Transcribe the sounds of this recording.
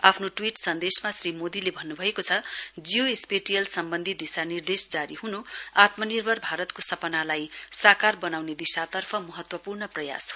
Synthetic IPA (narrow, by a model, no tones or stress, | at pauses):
apʰnoʈwiʈsʌnd̪esmasrimod̪ilebʱʌnːubʱʌekot͡sʰʌd͡zijoespeʈijʌlsʌmbʌnd̪ʱid̪isanird̪esd͡zaɾiɦunoat̪mʌnirbʱʌrbʱaɾʌt̪kosʌpʌnalajsakarbʌnawned̪isat̪ʌrpʰʌmʌɦʌt̪wʌpurnʌprʌja̰so